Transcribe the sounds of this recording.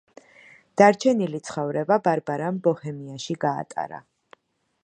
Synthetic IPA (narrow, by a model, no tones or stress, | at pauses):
d̪̥aɾt͡ʃʰɛnilit̪sʰχɔvɾɛbabaɾbaɾambɔhɛmiaʃiɡa̰ːt̪ʼa̰ɾa̰